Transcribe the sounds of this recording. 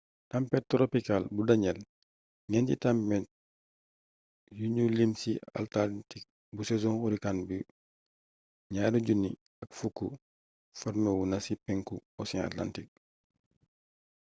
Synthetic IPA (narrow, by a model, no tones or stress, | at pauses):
tampɛt̚tːɾopikalbudɐɲɛl | ŋɛntḭtampɛt̚ | juɲulimsia̰ltatik̚ | busɛzɔ̃ŋxuɾikanbi | ɲaːɾuɟuni | ɐkfukːṵ | faɾmɛwunɐsipɛŋkuɔsia̰tla̰ntik̚